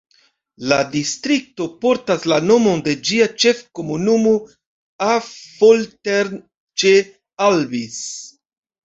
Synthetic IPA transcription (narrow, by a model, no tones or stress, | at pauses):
ladistɾik̚to̞po̞ɾtaslano̞mo̞nde̞d͡ʒiat͡ʃe̞fko̞munumo | afolteɾn | t͡ʃe | alvis